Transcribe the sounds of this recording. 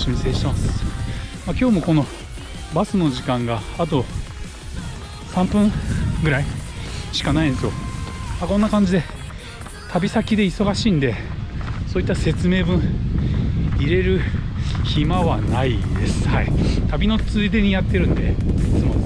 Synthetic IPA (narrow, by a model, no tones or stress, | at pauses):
ɕimʲiseːɕi̥t̪emasɨ̥makʲo̞ːmo̞ko̞no̞ | basɨno̞ʑikãŋɡaːt̪̬o̞ | sãmpɯ̃ŋɡɯ̟ɾaiɕi̥kanaĩnd̪sjo̞makõ̞nːakãɲ̟d͡ʑid̪e̞ | t̪ʰabʲisakʲid̪e̞iso̞ɡaɕiːnd̪e̞so̞ːit̪ːase̞t͡sɨme̞ːbɯ̟̃ɰ̃ | iɾe̞ɾɯ̟çimaβanaid̪e̞sɨ̥ha̰ḭt̪abʲino̞t͡sɨid̪e̞ɲ̟ijat̪ːe̞ɾɯ̟̃nd̪e̞it͡sɨmo̞̰